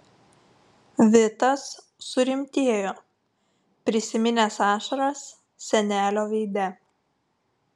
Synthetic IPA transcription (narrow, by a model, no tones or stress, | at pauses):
ʋʲɪt̪ɐsː | ʊɾʲɪmʲt̪ʲiɛjoː | pʲɾʲɪsʲɪmʲɪnʲeːsɑːʃɐɾɐs | sʲɛnʲæːlʲoːʋʲɛɪd̪ʲɛ